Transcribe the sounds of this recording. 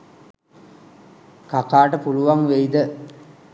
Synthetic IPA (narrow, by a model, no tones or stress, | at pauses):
kakaːʈəpuluʋaŋʋejd̪ə